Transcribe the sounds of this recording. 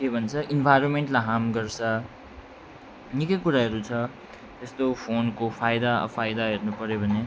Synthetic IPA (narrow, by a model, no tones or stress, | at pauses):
kebʱʌnt͡sʰʌʔinbʱajɾonmeɳʈlaɦamɡʌrt͡sʰʌ | nikʌjkuɾaɦʌɾut͡sʰʌ | t̪ʌst̪opʰonkopʰajd̪aʌ̰pʰajd̪aɦernupʌɾjobʱʌne